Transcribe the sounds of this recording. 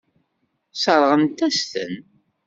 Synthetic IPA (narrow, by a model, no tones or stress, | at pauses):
səɾˤʁənt̪æst̪ə̰n